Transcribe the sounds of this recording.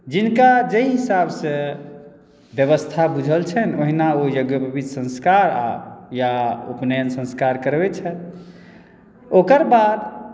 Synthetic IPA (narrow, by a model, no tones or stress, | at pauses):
d͡ʒinkad͡ʒeɦisabsẽ | bjəβəst̪ʰabud͡ʒʱəlt͡ʃʰənoɦinaojoɡjəpəbid̪ʱsə̃nskaɾa̰jaṵpnensə̃nskaɾkəɾbɛt͡ʃʰɛ | okəɾbad̪